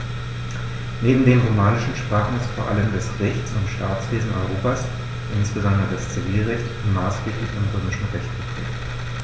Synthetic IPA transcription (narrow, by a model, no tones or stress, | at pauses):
neːbm̩deːmʁomaːnɪʃn̩ʃpʁ̥aːχn̩ɪstfoːɐʔaləmdasʁɛçt͡sʊntʃtaːt͡sv̥eːzn̩ʔɔ̰ʏʁ̞oːpaːs | ʔɪnsb̥əzɔndʁədast͡siviːlʁɛçtʊntmaːsɡ̥eːplɪçɔnʁøːmɪʃn̩ʁɛçtb̥ətʁ̥ḛːk